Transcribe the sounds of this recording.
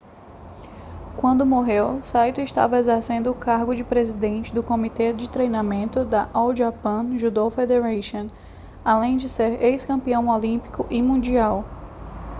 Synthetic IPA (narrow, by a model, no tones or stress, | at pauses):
kwɐ̃nd̪ʊmoɦewsajt̪ʊɪʃt̪a̰vɐezeɾsẽnd̪ʊːkaɾɡʊd͡ʒɪpɾezid̪ẽnt͡ʃɪd̪ʊkõmit̪ɛd͡ʒɪt̪ɾejnamẽnt̪ʊd̪ɐʔawʒapɐ̃ʒud̪ofed̪eɾaʃõ | alẽj̃d͡ʒɪseɾejskɐ̃mpiɐ̃w̃olĩpi̥kʊʔimũd͡ʒiaw